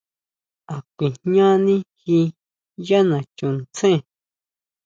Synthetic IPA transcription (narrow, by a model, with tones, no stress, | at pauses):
a˨kʷi˨hɲã˦nĩ˦hi˧ | ja˦nã˨t͡ʃũ˨nt͡sẽ˦˨